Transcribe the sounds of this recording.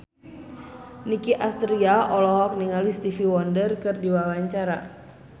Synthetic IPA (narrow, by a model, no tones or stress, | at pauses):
nikiʔast̪ɾiaʔɔlɔɦɔk̚niŋalist̪ifiwɔndərkɨrdiwawaɲt͡ʃaɾa